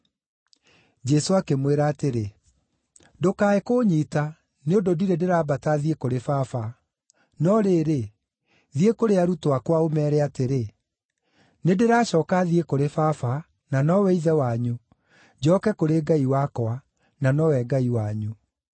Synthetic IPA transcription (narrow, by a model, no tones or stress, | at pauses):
d͡ʒɛsoakemweɾaːteɾe | dokaːekoɲita | neondodiɾedeɾaːbataðiekoɾefafa | nɔɾeːɾe | ðiekoɾeaɾutowakwaomɛːɾɛateɾe | nedeɾaːɕɔːkaðiekoɾefafa | nanɔwɛiðɛwaɲu | d͡ʑɔːkɛkoɾeɡaiwakoa | nanɔwɛɡaiwaɲu